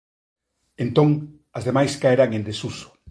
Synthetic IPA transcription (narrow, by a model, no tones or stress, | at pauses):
ent̪oŋ | ɐzðemajskaeɾaŋẽnd̪esuso̥